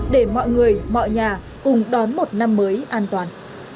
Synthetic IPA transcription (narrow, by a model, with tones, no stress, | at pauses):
ɗe˧˩mɔ̰˧˨jŋɨ˨˩əjmɔ̰˧˨jɲaː˨˩ | kʊ˨˩ŋ͡mɗɔ˨˦nmo˨˩t̚na˧mːəː˨˦jʔaː˧nt̪waː˨˩n